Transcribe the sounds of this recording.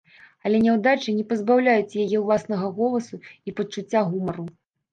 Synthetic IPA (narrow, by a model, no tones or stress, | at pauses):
ɐlʲɛnʲɛwd̪at͡ʂɨnʲɛpɐzbawlʲajut͡sʲjajɛwlˠasnɐɣɐɣɔlˠɐsuipɐt͡ʂut͡sʲːaɣumɐɾu